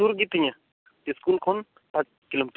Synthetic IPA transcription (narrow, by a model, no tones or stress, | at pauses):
uɾɡit̪iɲa | iskulkʰon | pat͡ʃ | kilomit̪